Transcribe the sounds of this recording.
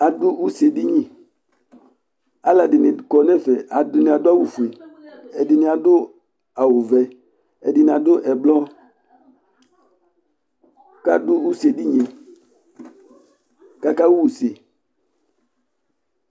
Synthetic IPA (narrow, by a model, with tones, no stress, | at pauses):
a˨dʊ˦ʔu˦se˨di˦ɲĩ˨ | a˦la˨dɪ˨nɪ˨kɔ˨nɛ˦˨fɛ˨ʔa˨dʊ˦nɪ̃˨a˨dʊ˦a˦wu˨fu˨e˨ɛ˨dɪ˨nɪ˨a˨dʊ˦ | a˨wʊ˨vɛ˨ | ɛ˨dɪ˨nɪ˨a˨dʊ˦ʔɛ˨blɔ˦ | ka̰˦dʊ˦u˦se˨di˦ɲĩ˨ | ka˦ka˦wu˦wu˨se˨